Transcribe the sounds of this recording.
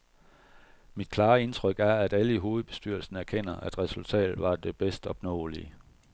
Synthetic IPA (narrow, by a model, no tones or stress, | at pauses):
mid̥̚kʰlɑ̈ːe̝nt͡sʰʁœɡ̥æɐæd̥æləiɦo̝ːð̞̩ˠb̥e̝sd̥yɐ̰lsn̩æɐkʰen̰ɐʔæd̥ʁɛsult͡sʰɛ̰ːd̩ˠʋɑ̈d̥e̝b̥esd̥ɒ̽b̥nɔ̰̽ːli